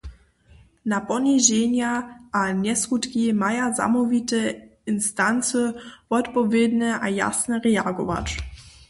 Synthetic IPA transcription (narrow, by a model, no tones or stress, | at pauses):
napɔniʒɛɲjaʔanɛsxut̪kimajaza̰mɔvit̪ɛɪnst̪ant͡səvɔt̪pɔvjɛd̪nɛʔaja̰snɛɾɛaɡɔva̰t͡ʃ